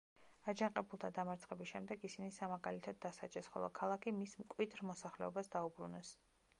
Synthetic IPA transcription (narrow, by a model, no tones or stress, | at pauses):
ad͡ʒaŋqʼɛbulˠt̪ʰad̪amaɾt̪sʰχɛbisʃɛmd̪ɛɡisinisamaɡalit̪ʰad̪ːasa̰t͡ʃʼɛsχɔ̰lˠɔ̰kʰalˠakʰimismkʼwid̪ɾmɔsaχlɛ̰ɔbasd̪aubɾunɛs